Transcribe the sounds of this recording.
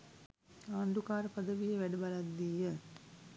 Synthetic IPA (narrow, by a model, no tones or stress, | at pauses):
aːnd̪ukaːɾəpɐd̪əʋijəʋæɖəbalad̪ːiːjə